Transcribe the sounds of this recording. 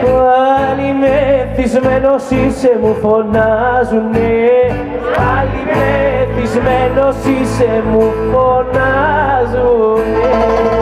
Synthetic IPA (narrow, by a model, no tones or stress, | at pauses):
walimet̪izmenosisemufonazune | alimet̪izmenosisemufonazu